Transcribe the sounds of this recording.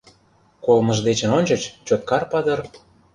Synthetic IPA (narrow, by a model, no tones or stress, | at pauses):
kolmə̆ʒd̪et͡ɕə̆nonʲt͡ɕɤ̆t͡ɕt͡ɕot̪̚kɑrpɑd̪ɤ̆r